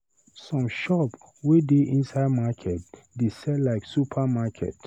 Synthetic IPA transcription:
sɔ̃mʃɔp | wedeʔĩnsaɪdmakʰɛt̚ | desɛtlaɪksupʰamakʰɛ̰t

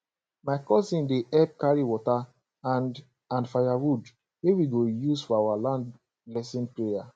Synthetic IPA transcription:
maɪkɔsĩndeʔɛp̚kaɹiwɔta | ãn | ãnfajaɹud | wewiɡojusfɔawalãnd | lɛsĩnpɹeja

